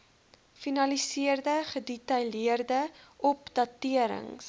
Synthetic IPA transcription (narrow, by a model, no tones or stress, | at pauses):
finɐlisiərdəχədɛtɐjliərdəʔɔpdɐtiəɾə̰ŋs